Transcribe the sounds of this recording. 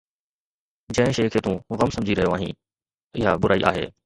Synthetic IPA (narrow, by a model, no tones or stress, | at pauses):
d͡ʑɐ̃ɦɪ̃ʃeːkʰeːt̪ũːɣɐmsɐ̃md͡ʑʱiɾɐɦijoaːɦḭ̃ː | ɪɦa̰bʊɾaːḭʔa̰ːɦḛː